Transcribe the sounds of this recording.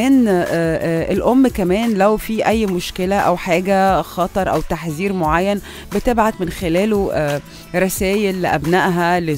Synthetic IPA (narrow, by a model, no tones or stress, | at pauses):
ʔen | ʔelʔomːkæmæːnlæwfiːʔæjːmoʃkelæʔæwħaːɡæxɑt̪ˤɑɾˤʔæwt̪aħziːɾmoʕajːæn | bet̪ebʕat̪menxelæːloʔ | ɾˤɑsæːjelːeʔæbnæʔɦæle